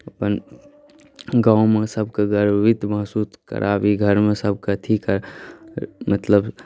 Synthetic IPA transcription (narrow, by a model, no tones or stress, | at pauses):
əpən | ɡãʊmẽsəbʱkaɡəɾʋit̪məɦsuːskə̰ɾʔabiɡʱəɾmẽsəbʱkat̪ʰikaɾ | mət̪ləb